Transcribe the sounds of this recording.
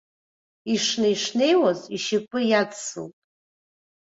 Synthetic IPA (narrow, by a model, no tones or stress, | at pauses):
iʂnajʂne̞jwaziʃikʷʼɨjat͡ssɨ̰wtʼ